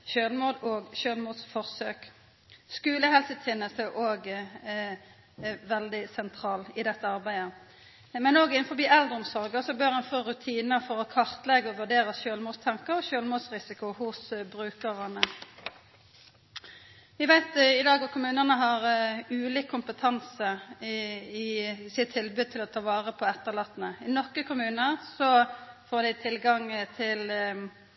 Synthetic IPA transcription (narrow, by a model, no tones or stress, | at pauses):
ʃøːlmuːd̪oːɡʃøːlmuːd̪sfɔʁsøːk | skʉːləhɛlsət̪ʰɪnːəsəʔoːɡ | ʋɛld̪ɪsɛnt̪ʰʁɑːlɪd̪ɛt̪ːəɑʁbæɪə | mɛnoːɡɪnfɔbiːɛld̪ʁənsɔʁɡəsɔbøːʁɛnfoːʁʉt̪ʰiːnəfɔʁɔkʰɑʁt̪lɛɡəɔʋʉʁɖeːʁəʃøːlmuːd̪st̪ʰɛŋkəʁɔʃøːlmuːd̪sʁɪsɪkʊhʊsbʁʉːkəʁɑnə | ʋɪʋæɪt̪ɪd̪ɑːɡɔkʰʊmʉːnənəɦɑʁʉːliːkʰːʊmpət̪ʰɑnsə | ɪsɪt̪ʰːɪlbʉːd̪̚t̪ʰɪlɔt̪ʰɑːʋɑːʁəpʰɔɛt̪ːəʁlɑt̪nəɪnɔkəkʊmʉːnəʁsɔfoːd̪æɪt̪ʰɪlɡɑŋt̪ʰɪl